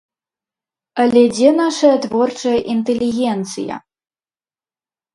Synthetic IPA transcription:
ɐlʲɛd͡zʲɛnaʂɐjɐt̪vɔrt͡ʂɐjɐʔint̪ɛlʲiɣʲɛnt̪sɨjɐ̰

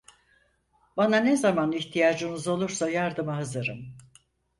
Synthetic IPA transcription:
bananezamaniçt̪ʰijaːd͡ʒɯnɯzo̞lˠuɾsajaɾd̪ɯmaɦazɯɾɯm

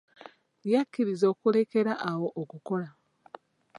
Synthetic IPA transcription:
jakʲːiɾizo̞ːkule̞ke̞ɾaʔːwo̞ʔokuko̞la

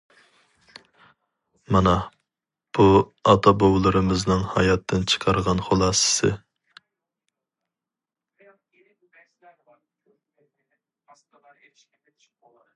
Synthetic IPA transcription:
mɑnɑ | b̥uɑt̪ʰɑbowlˠɨɾɨmɨznɨŋhɑ̰jɑt̪ʰːɨnt͡ʃʰə̥qʰɑɾʁɑnχolˠɑːsɨ̥sɨ̰

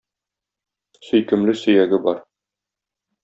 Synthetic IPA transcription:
sɵ̆jkɘ̆mlɘsɵ̆jæɡɘbɒɾ

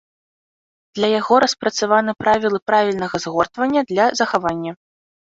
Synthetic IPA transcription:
d̪̥lʲɐjaɣɔɾɐspɾɐt̪savanɨpɾavʲilˠɨpɾavʲilʲnɐɣɐzɣɔrt̪vɐnʲːɐd̪lʲɐzɐxavanʲːɐ

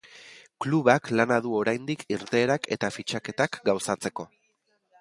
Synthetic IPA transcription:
kluβaklanaðuo̞ɾajnd̪ikʰiɾt̪e̞ːɾake̞̰t̪afit͡ʃake̞t̪akɡawsat͡se̞ko̞

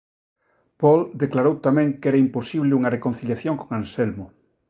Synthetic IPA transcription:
pɔld̪eklaɾowt̪amɛ̃ŋkɛɾɐimposiβlɪuŋɐrekon̟θiljaθjoŋkoŋansɛlmʊ

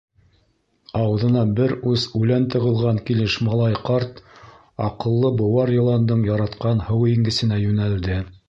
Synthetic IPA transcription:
ɑwðɤ̆nɑbɘɾʉsʉlænt̪ɤ̆ʁɤ̆lˠʁɑŋkilɘʃmɑlˠɑjqɑɾt̪ | ɑqɤ̆lˠːɤbŏwɑɾjɤ̆lˠɑnd̪ɤɴjɑɾɑt̪qɑnhɤwiŋɡɘ̆sɘ̆næjʉnæld̪ɘ

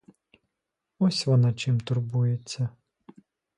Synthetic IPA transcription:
ɔsʲʋɔnɑt͡ʃɪmt̪ʊrbujet͡sʲːɐ

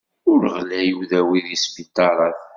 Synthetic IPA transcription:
ʊɾʁlæjuðæwiðispit̪ːɑɾˤɑθ

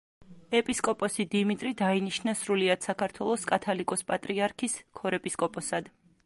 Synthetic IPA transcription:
ɛpʼiskʼɔpʼɔsid̪imit̪ʼɾid̪ainiʃnasɾuliad̪̥sakʰaɾt̪ʰwɛlˠɔskʼat̪ʰalikʼɔspʼat̪ʼɾiaɾkʰiskʰɔɾɛpʼiskʼɔpʼɔsad̪̥

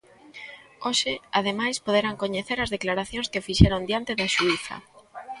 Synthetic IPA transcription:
oʃɪaðemajspoðeɾaŋkoɲeθeɾɐzðeklaɾaθjõŋskefiʃɛɾoŋd̪jant̪ɪðɐʃuiθɐ̰

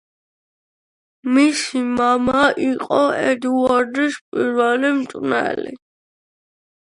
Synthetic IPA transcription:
misimamaiqʼɔɛd̪uuaɾd̪iʃpʼiɾvɛlimt̪ʼnɛ̰lḭ

